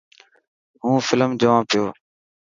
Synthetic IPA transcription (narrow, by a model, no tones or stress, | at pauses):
ɦũːfɪləmd͡ʒəʋãːpɪjoː